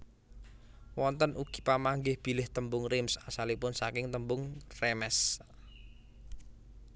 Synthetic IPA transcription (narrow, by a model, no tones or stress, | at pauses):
wɔnt̪ənʔuɡ̥i̥̤pamaŋɡɪhb̥i̤lɪht̪əmbʊŋrɪmsasalipʊnsakɪŋt̪əmbʊŋrɛmɛs